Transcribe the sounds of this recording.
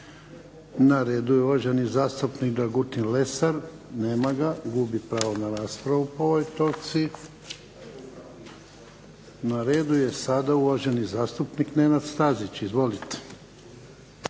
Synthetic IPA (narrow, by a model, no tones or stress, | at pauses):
naɾeːd̪ujeuʋaʒenizaːst̪upnikd̪aɡut̪inle̞saɾ | ne̞ːmaɡaɡubipɾaːʋonaɾaːspɾaʋupoo̞ʋojt̪o̞t̪si | naɾe̞ːd̪uje̞sad̪auʋaʒe̞nizaːst̪upnikne̞nad̪st̪azit͡ɕizʋo̞lit̪e̥